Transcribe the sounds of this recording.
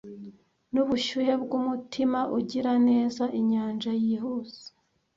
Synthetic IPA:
nuβuʃuje̞b̚ɡumutʰimaʔuɟiɾane̞ːzaʔiɲaːnʒajiɦuzi̥

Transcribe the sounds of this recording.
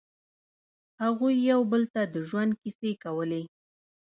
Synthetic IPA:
haɣujːawbəlt̪ad̪əʒwand̪̚kisekawəle

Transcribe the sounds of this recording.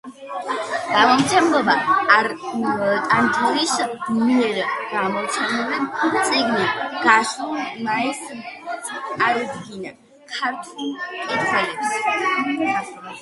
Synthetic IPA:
ɡ̥amɔmt͡ʃʰɛmɡɔba | t̪ʼant̪ʰɔlismɛɾɡ̥amɔt͡ʃʰɛnɛvɛnsʼiɡniɡ̥aʃumais | aɾd̪ɡina | kʰaɾt̪ʰukʼɛzʰɛlɛps

